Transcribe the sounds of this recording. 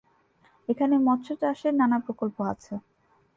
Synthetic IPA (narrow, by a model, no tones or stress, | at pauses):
ekʰanemɔt̪ːɕʰot̪aʃeɾnanapɾokolpoat͡ɕʰe